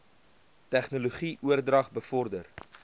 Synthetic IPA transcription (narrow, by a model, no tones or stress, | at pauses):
tæχnoloχiʔuərdrɐχbəfɔrdər